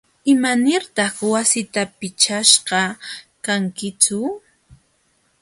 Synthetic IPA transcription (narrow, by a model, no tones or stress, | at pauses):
ɪmanɪɾt̪ɑχwasɪt̪apɪt͡ʃaʃqɑkaŋkɪt͡sʊ